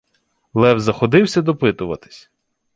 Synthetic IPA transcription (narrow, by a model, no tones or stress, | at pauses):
lˠɛwzɐxɔd̪ɪwsʲɐd̪ɔpɪt̪ʊʋɐ̰t̪ɪ̥sʲ